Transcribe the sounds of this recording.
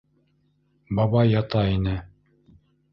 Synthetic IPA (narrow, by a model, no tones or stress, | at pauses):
bɑβɑjːɑt̪ɑinɘ